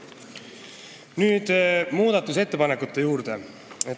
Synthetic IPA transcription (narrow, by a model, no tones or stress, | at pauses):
nyːd̪̥muːd̪̥ɑt̪ːˑuse̞t̪ːe̞pɑnekːˑut̪ːe̞juːrd̪̥e̞ | e